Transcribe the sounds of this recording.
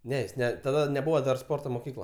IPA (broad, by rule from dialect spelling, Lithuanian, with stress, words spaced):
ˈnʲɛ jɪs ˈnʲɛ tɐˈdɐ nʲɛˈbuːʋoː dɐr ˈspoːrtoː moːˈkʲiːklˠɐ